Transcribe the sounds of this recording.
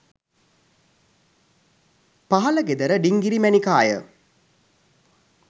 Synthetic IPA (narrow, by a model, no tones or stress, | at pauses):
paɦɐləɡed̪əɾəɖiŋɡiɾimænikaːjə̰